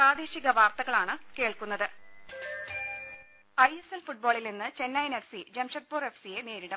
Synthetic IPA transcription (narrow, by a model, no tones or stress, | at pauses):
pɾaːd̪eːɕiɣɐʋaːrt̪ɐɣɐɭaːɳɨke̞ːɭkunːɐðɨ | ɐjeselfuʈ̚boːɭilninːɨt͡ɕe̞nːɐjene̞fsid͡ʑemʂɐʈ̚poːre̞fsije̞ne̞ːɾiɽɐm